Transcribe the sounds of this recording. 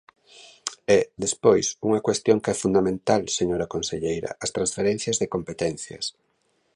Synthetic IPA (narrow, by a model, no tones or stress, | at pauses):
ɛðespojsuŋakwest̪joŋkɛfund̪amẽnt̪alseɲoɾakonseʎejɾɐ̰ɐst̪ɾãnsfeɾɛ̃n̟θjɐzðekompet̪ɛnθjɐ̰s